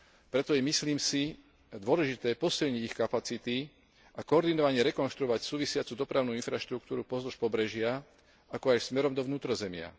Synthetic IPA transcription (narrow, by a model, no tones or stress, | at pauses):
pɾɛt̪ɔjɛmisliːmsi | d̪ʊɔlɛʒit̪ɛːpɔsilɲiɟixkapat͡sit̪i | ʔakɔɔɾd̪inɔʋaɲɛɾɛkɔnʃt̪ɾuɔʋacsuːʋisɪat͡suːd̪ɔpɾaʊnuːinfɾaʃt̪ɾukt̪uːɾupɔzlɔʃpɔbɾɛʒɪa | akɔajsmɛɾɔmd̪ɔʋnuːt̪ɾɔzɛmɪa̰